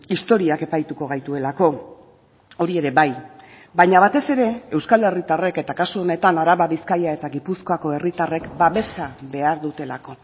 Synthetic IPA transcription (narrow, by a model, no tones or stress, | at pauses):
ist̪o̞ɾiake̞pajt̪uko̞ɣ̞ajt̪ue̞lako̞ | o̞ɾie̞ɾe̞βaj | baɲaβ̞at̪e̞se̞ɾe̞ewskale̞rit̪are̞ke̞t̪akasuo̞ne̞t̪anaɾaβaβiskajae̞t̪aɣipusko̞ako̞e̞rit̪are̞kbaβe̞sabe̞aɾðut̪e̞lako̞